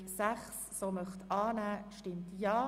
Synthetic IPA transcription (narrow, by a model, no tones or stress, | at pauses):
saχsːoːmœχt̪ɑːnæːʃtɪmtjɑː